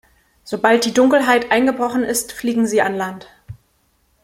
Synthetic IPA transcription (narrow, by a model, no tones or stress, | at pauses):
z̥obalt̚d̥iːdʊŋkl̩ɦaɪtʔaɪnɡəbʁɔχn̩ɪstfliːɡŋ̩ziːanlant